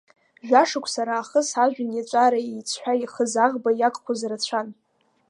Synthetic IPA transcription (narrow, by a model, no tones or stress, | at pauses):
ʒᶣaʂɨkʷʰʼsaɾaːχəsaʒᶣɪnjat͡ʃʷʼaɾaejt͡sʰħʷᶣaiχəzaʁbajakʼχʷʰozarat͡ɕʷʰan